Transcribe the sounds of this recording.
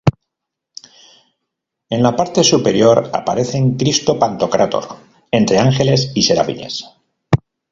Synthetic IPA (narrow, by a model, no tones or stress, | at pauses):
e̞nlapaɾt̪e̞supe̞ɾjo̞ɾa̰pa̰ɾe̞θe̞ŋkɾist̪o̞pant̪o̞kɾʔat̪o̞̰ɾ | e̞nt̪ɾe̞aŋxe̞le̞sise̞ɾa̰βḭɲe̞̰s